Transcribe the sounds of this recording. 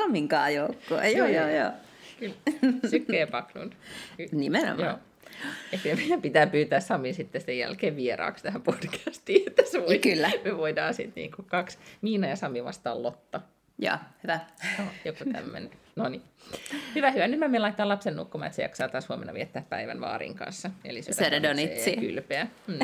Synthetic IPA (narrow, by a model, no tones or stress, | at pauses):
sɑmiŋkɑ̰ːjoukːo̰ɑ̰joːjoːjoː | kylːsykːeːpɑklṵnnimeno̰mjɑo̰ː | jɑkilmeilæpit̪æːpyːt̪æːssɑmːinsit̪ːesejjæ̰lkeːʋʋieɾɑ̰ːkst̪æhæmpod̥kæ̥st̪iːet̪ːæseʋokylːæmeʋoidɑːsḭt̪nḭːŋkukɑksmiːnɑjɑsɑmːiʋɑ̰st̪ɑ̰ːlot̪ːɑ | jɑ̰ːhyʋæjojokut̪æ̰mːḛn | nonihyʋæhyʋænyt̪mæmelɑit̪ːɑːlɑpsennṵkːomɑ̰ːet̪sḛjɑ̰ksɑːt̪ːɑːshuɑmenːɑ̰ʋiɛt̪ːæːppæ̰iʋæ̰nʋɑ̰ːɾḭːŋkɑ̰nsːɑḛliseseredonisiky̰lpeæm̩ː